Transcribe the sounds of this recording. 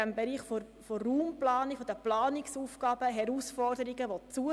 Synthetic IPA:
æmbɛɾiːχfo | foːuːmplɑːnikfɔd̪əplɑːnɪksuːfɡ̥ɑːb̥əɦɛɾuːsfɔɾdəɾiɡəʋɔt͡suə

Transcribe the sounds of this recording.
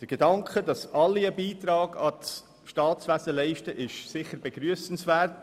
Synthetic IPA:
d̥əɾɡ̥edɑŋkχədɑsɑlːiəbiːt̪ɾɑːɡɑt͡s | ʃtɑːt͡sʋæsəlɛɪʃtəʔɪʃsɪχəɾbeɡɾyəsn̩svært

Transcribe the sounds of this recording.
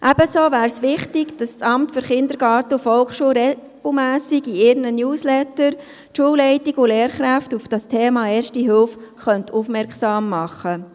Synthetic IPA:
ʔɛb̥əsoːvæːɾsʋɪχtɪkd̥ɑst͡sɑmtføɾχɪnd̪əɾɡɑːɾtəufɔlkʃuːɾɛ | ɡ̥l̩mæːsiɡiɪɾnənjuːslɛtəɾ | ʃuːlɛɪtiɡʊleːɾχɾæftufd̥ɑstʰeːmɑːɛːʃtiɦɪlfχœntʰufmɛɾksɑːmːɑχə

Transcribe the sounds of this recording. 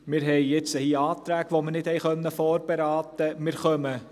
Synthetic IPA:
mɪːɾɦɛɪjɪt͡səhiːɑːt̪ɾæːɡʋomənɪthɛjxœnːəfɔːrb̥ɛɾɑːt̪əmɪɾχœmə

